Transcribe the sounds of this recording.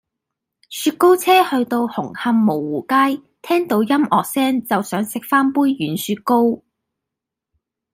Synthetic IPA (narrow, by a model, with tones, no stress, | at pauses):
syː˧t̚ko˥wt͡sʰɛː˥hɵ˧ɥt̪o˧whʊ˨˩ŋhɐ˧mmo˨˩wːuː˨˩kaː˥j | t̪ʰɛː˥ŋt̪o˨˧wjɐ˥mʔɔː˨k̚sɛː˥nt͡sɐ˨wsœː˨˥ŋsɪ˨k̚faː˥npuː˥jɥyː˨˥nsyː˧t̚ko˥w